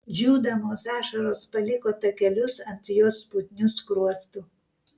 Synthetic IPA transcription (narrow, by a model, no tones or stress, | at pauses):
d͡ʒʲuːd̪ɐmoːsæːʃɐɾoːspɐlʲɪkoːt̪ɐkʲɛlʲʊsɐnt̪ʲjoːspʊt̪ʲnʲʊskɾuɔst̪ʊ